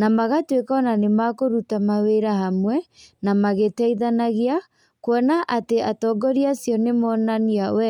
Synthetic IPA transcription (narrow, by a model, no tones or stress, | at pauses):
namaɣatwekɔnanemakoɾutamaweɾaɦamwɛnamaɣetɛiðanaɣia | kwɔnaʔateatɔɡɔɾiasjɔnemɔnaniawɛ